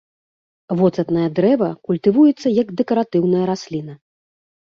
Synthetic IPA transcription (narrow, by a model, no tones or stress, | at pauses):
vɔt̪sɐt̪nɐjɐd̪ɾɛvɐkulʲt̪ɨvujɛt̪sːɐjɐɡd̪ɛkɐɾat̪ɨwnɐjɐɾasʲlʲinɐ